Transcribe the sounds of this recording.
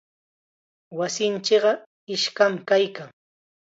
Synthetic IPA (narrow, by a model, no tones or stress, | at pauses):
wasɪnt͡ʃɪɢɑ | ɪʃkamkajkaŋ